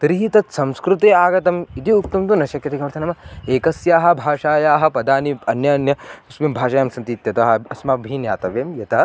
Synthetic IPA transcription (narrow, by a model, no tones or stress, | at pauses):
t̪ɾiɦit̪ɐt̪sɐ̃mskɾut̪eːaːɡɐt̪ɐmit̪iukt̪umt̪unɐʃɐkɾɐt̪ikɐʋɐɾt̪ʰɐnɐmɐeːkɐsjaːɦɐ̆bʱaːʂaːjaːɦɐ̆pɐd̪aːniɐnjɐnjɐusʋimbʱaːʃaːjaːmsɐnt̪iːt̪jɐt̪ɐɦɐɐsmabʱiːnja̰ːt̪ɐʋeːmjɐt̪ɐ